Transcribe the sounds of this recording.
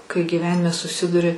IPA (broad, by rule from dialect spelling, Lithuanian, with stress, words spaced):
kɐɪ ɡʲiːˈʋʲæːnʲɪmʲɛ sʊˈsʲɪdʊrʲɪ